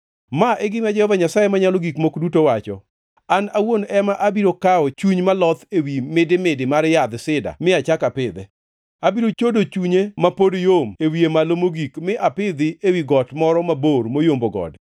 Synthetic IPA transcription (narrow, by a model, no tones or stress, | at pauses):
maʔeɡɪmad͡ʒɛhɔvaɲasajemaɲaloɡikmokdutowat͡ʃɔ | anawonɛmaʔabiɾokaɔt͡ʃuɲmalɔt̪ewimɪdɪmɪdɪmaɾjad̪sɪda̰mɪat͡ʃakapɪd̪ɛ | abiɾot͡ʃodot͡ʃuɲemapodjomewiemalomoɡikmɪʔapɪd̪ɪewiɡɔtmɔɾɔmaboɾmojomboɡɔ̰d